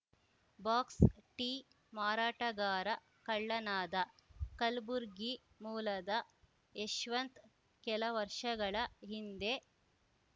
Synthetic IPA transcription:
baːksʈi | maːɾaːʈɐɡaːɾɐ | kɐɭːɐnaːd̪ɐkɐlbuɾɡi | muːlɐd̪ɐ | eʃʋɐnt̪ | kɛlɐʋɐɾʂɐɡɐɭɐɦind̪e

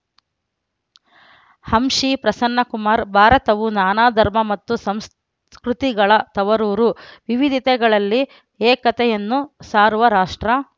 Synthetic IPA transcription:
hɐmʃipɾɐsɐnːɐkumaːɾbʱaːɾɐt̪ɐʋunaːnaːd̪ʱɐɾmɐmɐt̪ːusɐms | kɾut̪iɡɐɭɐt̪ɐʋɐɾuːɾuʋiʋid̪ʱit̪ɛɡɐɭɐlːi | eːkɐt̪ɛjɐnːusaːɾuʋɐɾaːʂʈɾɐ

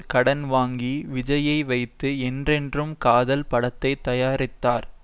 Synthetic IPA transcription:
kɐɽɐnʋaːŋɡiʋɪd͡ʒɐjɐɪʋɐɪt̪ːɯɛndrɛndrɯmkaːðɐlpɐɽɐt̪ːɐɪt̪ːɐjaːɾɪt̪ːaːɾ

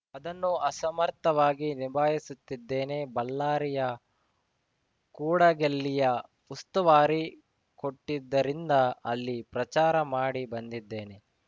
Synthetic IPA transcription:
ɐd̪ɐnːuɐsɐmɐɾt̪ːɐʋaːɡinibʱaːjisut̪ːid̪ːe̞ːne̞bɐlːaːɾijɐ | kuːɽɐɡelːijɐ | ust̪ɐʋaːɾi | ko̞ʈːid̪ːɐɾind̪ɐɐlːipɾɐt͡ʃaːɾɐmaːɽibɐnd̪id̪ːeːne̞

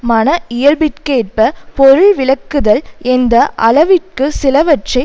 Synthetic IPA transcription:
mɐnɐɪjɐɾbɪʈ̚keːʈ̚pɐpɔɾɯɭʋɪlɐkːɯðɐlɛnd̪ɐʔɐlɐʋɪʈ̚kɯsɪlɐʋɐʈt͡ʃɐɪ

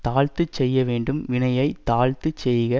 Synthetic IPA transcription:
t̪aːɻt̪ɯt͡ʃːɛjːɐʋeːɳɖɯmʋɪɳɐjɐɪt̪aːɻt̪ɯt͡ʃːɛjɣɐ

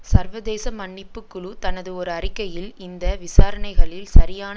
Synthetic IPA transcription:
sɐɾʋɐðeːsɐmɐɳːɪpːɯkːɯɭut̪ɐnɐðɯɔɾɯɐrɪkːɐjɪlɪnd̪ɐʋɪsaːɾɐnɐɪɣɐɭɪlsɐɾɪjaːn

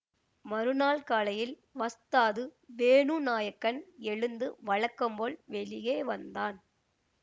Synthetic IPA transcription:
mɐɾɯnaːlkaːlɐjɪl | ʋɐst̪aːðɯbeːnuːnaːjɐkːɐnɛɻɯnd̪ɯʋɐɻɐkːɯmboːlʋɛlɪjeːʋɐnd̪aːn

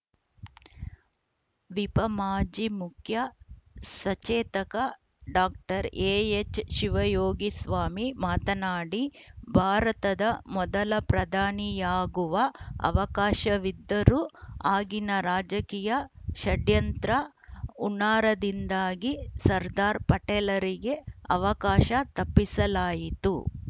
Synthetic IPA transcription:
ʋipɐmaːd͡ʒimukʰjɐ | sɐt͡ʃeːt̪ɐkɐ | ɖaːk̚ʈɐɾeːjet͡ʃʃiʋɐjoːɡisʋaːmimaːt̪ɐnaːɽibʱaːɾɐt̪ɐd̪ɐmɔd̪ɐlɐpɾɐd̪ʱaːnijaːɡuʋɐɐ̰ʋɐkaːʃɐʋid̪ːɐɾuaːɡinɐɾaːd͡ʒɐkiːjɐʃɐɖjɐnt̪ɾɐ | uɳaːɾɐd̪ind̪aːɡisɐɾd̪aːɾpɐʈɛːlɐɾiɡe̞ɐʋɐkaːʃɐt̪ɐpːisɐlaːjit̪u

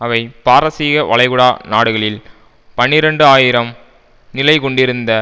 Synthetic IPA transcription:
ɐʋɐɪpaːɾɐsiːɣɐʋɐ̰ɭɐɪɣɯɽaːnaːɽɯɣɐɭɪl | pɐnːɪɾɐɳɖɯaːjɪɾɐm | nɪlɐɪkɔɳɖɪɾɯnd̪ɐ

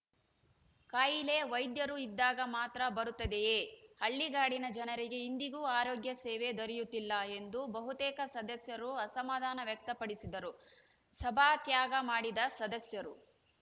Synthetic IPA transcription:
kaːjile̞ʋɐjd̪jɐɾuid̪ːaːɡɐmaːt̪ɾɐbɐɾut̪ːɐd̪ejeːhɐɭːiɡaːɽinɐd͡ʒɐnɐɾiɡe̞ind̪iɡuːaːɾoːɡjɐsɛːʋe̞d̪oɾijut̪ːilːɐe̞nd̪ubɐɦut̪ɛːkɐsɐd̪ɐsjɐɾuɐsɐmaːd̪ʱaːnɐʋjɐk̚t̪ɐpɐɽisid̪ɐɾu | sɐbʱaːt̪jaːɡɐmaːɽid̪ɐsɐd̪ɐsjɐɾu

